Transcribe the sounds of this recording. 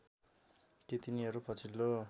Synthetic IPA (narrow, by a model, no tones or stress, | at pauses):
t̪jet̪iniɦʌɾupʰʌt͡sʰilːo